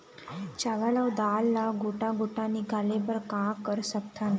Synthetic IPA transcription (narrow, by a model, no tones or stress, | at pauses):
t͡ɕaʋələwd̪alːaɡoʈaɡʱoʈãnikalebəɾkãkəɾsək̚t̪ʰan